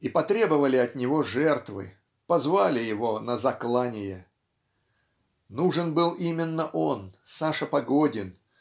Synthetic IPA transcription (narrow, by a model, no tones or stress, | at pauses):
ipɐt̪ɾʲe̞bəvəlʲɪɐt̪nʲɪvo̞ʐɛrt̪vɨ̰ | pɐzvalʲɪjɪvo̞nəzɐklˠanʲɪjə | nuʐɨnbɨlˠimʲɪnːəʔo̞nsaʂəpɐɡodʲɪn